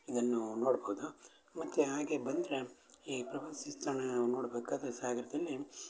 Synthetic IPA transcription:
id̪ɐnːunoːɽbɐwud̪u | mɐt̪ːuɦaːɡebɐnd̪ɾe | iːpɾɐʋɐnsist̪ɐɳɐnoːɽbeːkaːd̪ɐsaːɡɐɾɐd̪ɐlːi

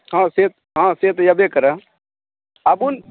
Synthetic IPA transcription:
ɦãːseːt̪̚ | ɦãːseːt̪jɐbekəɾa | abun

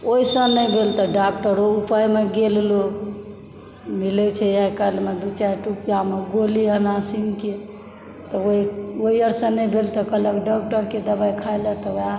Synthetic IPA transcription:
oisə̃nəjbʱelt̪ɔɖakʈəɾoupajmeɡello | milɛt͡ʃʰɛjəkəlmed̪ut͡ʃaʈupijameɡoliənasiŋke | t̪ɔoioiəɾsə̃nəjbʱelt̪ɔkələkɖɔk̚ʈəɾked̪əbajkʰajlət̪ɔa

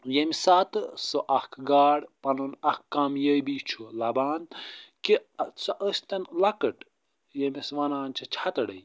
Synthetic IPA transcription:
jemisat̪ɨsoʔɐkʰɡaːɽpɐnunɐhkkːamjəjbit͡ʃʰulɐbaːnkisɐʔəsʲt̪ɐnlɐkəʈ | jemisʋɐnaːnt͡ʃʰɐt͡ʃʰɐt̪ɐɽɐ̰j

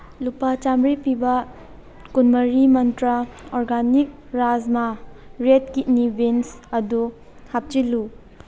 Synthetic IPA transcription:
lupat͡ʃamɾipibɐ | kunmɐɾimɐntɾɐɔɾɡanik̚ɾazmaɾet̚kinibensɐdu | hap̚t͡ʃilu

